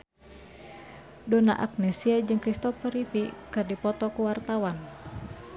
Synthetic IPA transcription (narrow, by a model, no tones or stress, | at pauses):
dɔna̰ʔa̰k̚nɛsiad͡ʒɨŋkɾist̪ɔfɛɾifikɨrdipɔt̪ɔkuwart̪awan